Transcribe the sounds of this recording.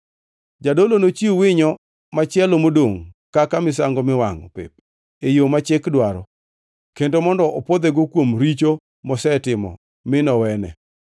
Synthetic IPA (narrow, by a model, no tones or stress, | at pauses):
d͡ʒadolonot͡ʃiuwɪɲɔ | mat͡ʃɪɛlomodoŋkakamɪs̬aŋɡɔmɪwaŋɔpɪ̰p̚ | ejomat͡ʃɪkdwaɾɔ̰ | kendomɔndɔopod̪ɛɡɔkwomɾit͡ʃo | mɔsɛtɪmɔ̰ | mɪnɔwɛnɛ̰